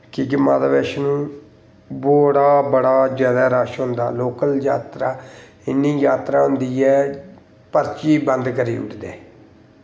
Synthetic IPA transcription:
kɪɡɪmaːd̪ʋeːʃnũː | boːɽaːbəɽaːd͡ʒjaːd̪aːɾaːʃɦʊ̃nd̪a̰ːloːkəljaːt̪ɾaː | ɪnːĩːjaːt̪ɾaːɦʊnd̪iːɛː | pəɾt͡ʃiːbənd̪kəɾḭːʊ̰ʈʰd̪eː

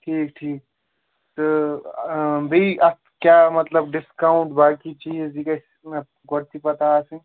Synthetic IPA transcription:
ʈʰiːk̚ʈʰiːk̚ | t̪ə | bʱiʔa | kjamət̪ləbɖiskaʊ̃ɳʈ̚bakit͡ʃid͡ʒd͡ʒikəs | e | ɡɔɾt̪ipət̪asə̃ŋ

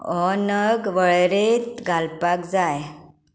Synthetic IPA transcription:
ɔnəɡʋəɭɾet̪ɡʱalpakd͡zaj

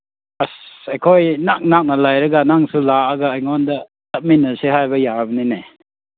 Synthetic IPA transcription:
asekʰojnak̚nak̚nɐlajɾɐɡanaŋsulaːɡaːjŋɔndɐ | tɐp̚minːɐseɦajbɐjabɐnene

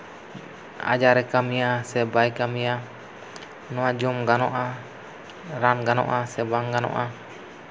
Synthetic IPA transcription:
a̰d͡ʒaɾɛkamiasɛbaikamija | nuad͡ʒɔmɡanɔʔa | ɾanɡanɔ̰ʔasɛbaŋɡano̰ʔa

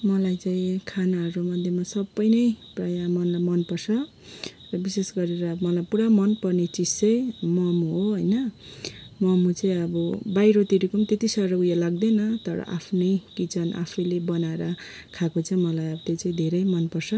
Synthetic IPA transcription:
mʌlajt͡saĩkʰanaɦʌɾumʌd̪ʱjemasʌbːʌjnʌjprajamʌnlajmʌnpʌrsʰʌ | rʌbisesɡʌɾeɾʌbmʌlajpuɾamʌnpʌrnet͡sist͡sʌjĩmʌmuɦoɦʌjnʌ | mʌmut͡saĩʌbʌbajɾot̪iɾikʌmt̪et̪isʌɾʌujalaɡ̚d̪enʌt̪ʌɾʌ̰ʔa̰pʰnʌjkit͡sʰʌna̰pʰʌjlebʌnaeɾʌ | kʰakot͡saĩmʌlajʌbʌt̪et͡saĩd̪ʱeɾʌjmʌnpʌrsʰʌ

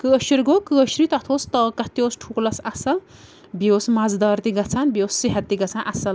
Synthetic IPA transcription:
kɨɐʃiɾɡokɨɐʃɾit̪ɐt̪ʰoːst̪ɐkɐt̪joːsʈʰuklɐsɐsɐ | bioːsmad͡zd̪ɐːɾt̪iɡɐt͡sʰanbioːsːiɦɐt̪ːiɡɐt͡sʰanʔɐsɐl

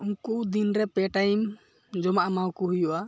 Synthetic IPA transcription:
uŋkud̪inɾɛpɛʈajm | d͡ʒɔmaʔamawkɔɦujɔʔa

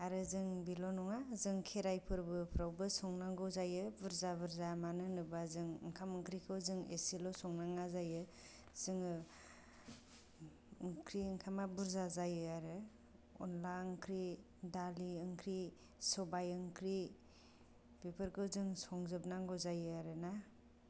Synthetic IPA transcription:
aɾɯzɯŋbilɔnɔŋazɯŋkʰeɾajpʰɯɾbɯpʰɾawbɯsɔŋnaŋɡɯwzajɯbuɾzabɯɾzamanɯnɯbazɯŋɯ̰ŋkʰamɯŋkɾikʰɯwzɯŋḛsilɔsɔŋnaŋazajɯ | zɯŋɯ | ɯŋkʰɾiɯŋkʰamabuɾzazajɯaɾɯ | ɔ̰nlaɯŋkʰɾi | daliɯŋkʰɾi | sɔbajɯŋkʰɾi | pepʰɯɾkʰɯwzɯŋsɔŋzɯp̚naŋɡɯwzajɯaɾɯna

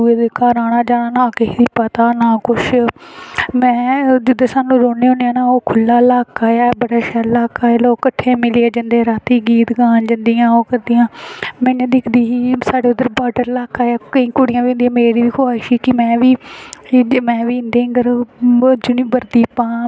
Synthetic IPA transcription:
ueːd̪eːkaːɾaːnãːd͡ʒaːnaːnãːked̪iːpət̪aːnaːkʊʃ | mɛ̃ːd͡ʒʊd̪eːsaːnũːɾoːeːɦõːneãːnaːoːkʰʊlːaːlaːkaːjaːbəɽaːʃɛːllaːkaːeːloːkːəʈʰːẽːmɪleaːd͡ʒənd̪eːɾaːt̪iːɡiːt̪ɡaːnd͡ʒənd̪ijãːoːkəɾd̪ijãːmɛ̃ːnẽːd̪ɪkʰd̪iːɦiːsaːɽeːʊd̪əɾbaːɖəɾlaːkaːjaːkəĩːkʊɽɪjãːʋĩnd̪ijãːmeːɾiːʋiːkʰoaːʃiːkɪmɛ̃ːʋiː | mɛ̃ːʋiːnd̪ẽːɡəɾ | d͡ʒʊniːbəɾd̪iːpãː

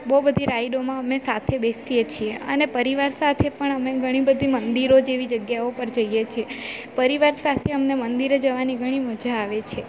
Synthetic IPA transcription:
bəɦubəd̪ʱiɾaiɖomãəmesat̪ʰebesiet͡ʃʰieə̰nepəɾiʋaɾsat̪ʰepəɳəmeɡʱəɽ̃ibəd̪ʱimənd̪iɾod͡ʒeʋid͡ʒəɡjaopəɾd͡ʒəijet͡ʃʰepəɾiʋaɾsat̪ʰeəmnemənd̪iɾed͡ʒəʋaniɡʱəɽ̃iməd͡ʒaːʋet͡ʃʰe

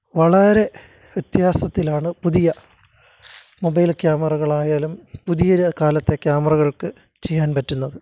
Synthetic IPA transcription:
ʋɐɭɐɾe̞ | ʋjet̪ːjhaːsɐt̪ːilaːɳɨpuðijɐ | mo̞bɐjlkjaːmɐrɐɣɐɭaːjaːlumpuðijɐkaːlɐt̪ːe̞kjaːmɐrɐɣɐɭkɨ | t͡ɕe̞jːaːnpɐtːunːɐðɨ

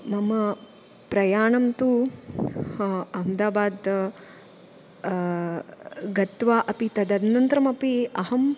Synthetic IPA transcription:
mɐmɐ | pɾɐjaːɳɐmt̪u | ɐmd̪aːbaːd̪ | ɡɐt̪ʋaːʔɐpit̪ɐd̪ɐd̪nɐnt̪ɾɐmɐpiɐɦɐm

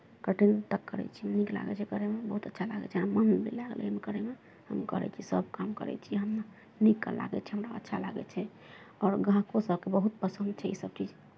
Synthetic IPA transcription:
kəʈint̪əkːə̰ɾɛ̰t͡ʃʰinikla̰ɡɛ̰t͡ʃʰɛkəɾemebəɦut̪ətːʃʰalaɡɛ̰t͡ʃʰɛamənlḛlaɡl̰mekəɾeme | hə̰mkəɾɛ̰t͡ʃʰisəb̚ʱkamkə̰ɾɛ̰t͡ʃʰijɛɦəmna | nikːə̰la̰ɡɛ̰t͡ʃʰɛɦəmɾaə̰tːʃʰalaɡɛ̰t͡ʃʰɛ | ɔɾɡʱãkosəb̚ʱkebəɦut̪̚pəsə̃nd̪̚t͡ʃʰɛisəb̚t͡ʃid͡ʒ

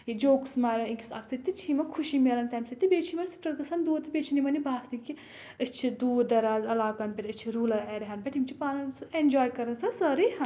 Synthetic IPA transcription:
jid͡ʒoːksmaːɾʲɐnikʲisɐ̰ksɨt̪ːit͡ʃʰimɐkʰuʃimeːlɐnt̪ɐmsɐt̪ʲːibeːt͡ʃʰimɐnsi̥ʈɐkɐsɐnd̪uːɾt̪ɨbʲeːt͡ʃʰinimɐnibʱaːsniki | ɨt͡ʃʰid̪uːd̪ɐɾaːzɐlaːkɐnpʲeʈɨt͡ʃʰiɾuːlɐɾeɾɐɦɐnpʲeʈʰimt͡ʃʰipaːnɐnsɨend͡ʒoːjkɐɾɐnsɐsɐɾihɐ

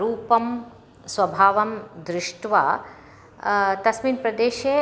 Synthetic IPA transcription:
ɾuːpɐm | sʋɐbʱaːʋɐmd̪ɾɪʂʈʋa | t̪ɐsmiːnpɾɐd̪eːʃeː

